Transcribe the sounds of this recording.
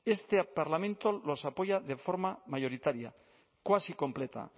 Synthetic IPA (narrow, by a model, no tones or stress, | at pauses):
e̞st̪epaɾlamẽnt̪o̞lo̞sapo̞ʝaðe̞fo̞ɾmamaʝo̞ɾit̪aɾja̰ | kwasiko̞mple̞t̪a̰